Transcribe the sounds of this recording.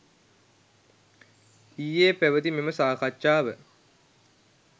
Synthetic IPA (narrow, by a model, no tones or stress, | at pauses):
iːjeːpæʋət̪imeməsaːkat͡ʃːaːʋə̰